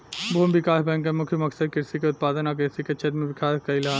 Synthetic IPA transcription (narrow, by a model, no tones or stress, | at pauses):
bʱombɪkaːsbɛ̃ŋkːemʊkʰjəmɐksəd̪̚kɪɾsikeʊt̪̚paːd̪ənakɪɾsiket͡ʃʰɐt̪mẽbɪkʰaːkɐilɐaː